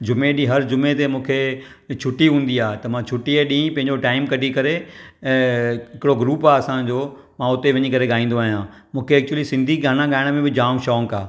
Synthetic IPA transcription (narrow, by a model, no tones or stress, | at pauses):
d͡ʑʊmeɗiɦɐɾd͡ʑʊmet̪emũːkʰe | t͡ɕʰʊʈiɦũːnd̪iaːt̪ɐmãt͡ɕʰʊʈieɗĩːpɐ̃ɦɪ̃ɲd͡ʑoʈaːɪmkɐʈikɐɾe | ɦɪkɪɽoɡɾuːpaːɐsãd͡ʑoː | mãʊt̪eʋɐɲikɐɾeɠaːĩːn̆d̪oaːɦijãː | mũːkʰeːk̚t͡ɕuəlisɪ̃nd̪ʱiɡʱaːɽ̃ãɠaːɪɽ̃mẽbɪd͡ʑaːmʃɔːŋkaː